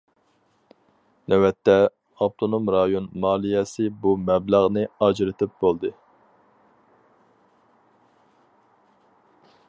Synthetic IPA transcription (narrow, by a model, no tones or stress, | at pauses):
nɛwɛt̪ʰːɛ | ɑp̚t̪ʰonomɾɑjonmɑːlˠijɛsɪbumɛblæʁnɨɑd͡ʒɾɨt̪ʰɪp̚bolˠd̪ɨ